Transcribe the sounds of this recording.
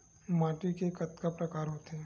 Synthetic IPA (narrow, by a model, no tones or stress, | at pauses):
mãːʈikekɐt̪kapɾɐkaːɾɦoːt̪ɦɛː